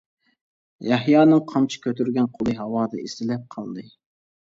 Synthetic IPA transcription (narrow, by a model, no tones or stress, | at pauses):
jɑhjɑːnɨŋqʰɑmt͡ʃʰi̥kʲøt̪yɾɡʲɛnqʰolˠɨɦɑwɑːd̪ɨ̰isɪlɛp̚qʰɑlˠd̪ɨ